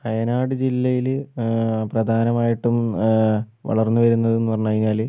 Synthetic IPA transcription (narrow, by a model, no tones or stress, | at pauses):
ɐjɐnaːɽɨd͡ʑilːɐjil | prɐd̪ʱaːnɐmaːjiʈːum | ʋɐ̰ɭɐrnːuʋɐɾunːɐðɨe̞nːupɐrɐɲːaːɣinːaːl